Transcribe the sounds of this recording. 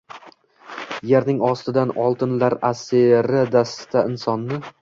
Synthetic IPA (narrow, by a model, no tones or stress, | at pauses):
jeɾnɪŋɒst̪ɪd̪anɒlˠt̪ʰɪnlaɾaseɾɪd̪ast̪ʰaɪnsɒnːɪ